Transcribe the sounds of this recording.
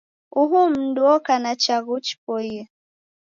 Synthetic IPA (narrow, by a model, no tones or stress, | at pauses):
uɦum̩dwɔkanat͡ʃaɣut͡ʃpɔiɛ